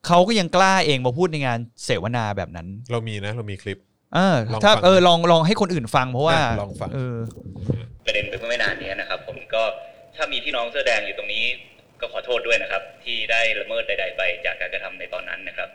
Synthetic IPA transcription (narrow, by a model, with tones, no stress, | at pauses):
kʰa˦˥wkɔː˥˩ja˧ŋklaː˥˩ʔeː˧ŋmaː˧pʰuː˥˩t̪̚na˧jŋaː˧nseː˩˦wa˧˩naː˧bɛ̰ː˨˩p̚na̰˦˥nɾa˧wmiː˧na˦˥ɾa˧wmiː˧kʰli˦˥p̚ | ʔɤː˧t̪ʰaː˥˩ʔɤː˧lɔː˧ŋlɔː˧ŋɦa˥˩jkʰo˧nʔɯː˨˩nfa˧ŋpʰɾɔ˦˥waː˥˩lɔː˧ŋfa˧ʔɤː˧ | pɾa˧de˧npa˧jpʰɯ˥˩ma˥˩jnaː˧nːi˦˥ɐna˦˥kʰɾa˦˥pʰːo˩˦mkɔː˥˩ | t̪ʰaː˥˩miː˧t̪ʰiː˥˩nɔː˦˥ŋsɯː˥˩dɛː˧ŋjuː˨˩t̪o˧ŋniː˦˥ | kɔː˥˩kʰɔː˩˦t̪ʰoː˥˩t̪̚du˥˩əjna˦˥kʰɾa˦˥p̚t̪ʰiː˥˩daː˥˩jɾa˧mɤː˥˩t̪̚da˧jda˧jpa˧jt͡ɕaː˨˩kːaː˧nka˧t̪ʰa˧mna˧jt̪ɔ̰ː˧nːa̰˦˥nːa˦˥kʰɾa˦˥p̚